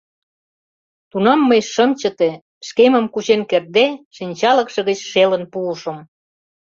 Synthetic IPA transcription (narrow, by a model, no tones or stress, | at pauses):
t̪unɑmːəjʃə̆mt͡ɕə̆t̪e | ʃkemə̆mkut͡ɕenker̚d̪eʃinʲt͡ɕɑlə̆kʃɤ̆ɣət͡ɕʃelə̆npuːʃə̆m